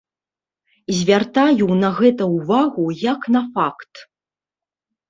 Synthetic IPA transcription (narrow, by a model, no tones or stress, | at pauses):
zʲvʲart̪ajunɐɣɛt̪ɐwvaɣujɐknɐfakt̪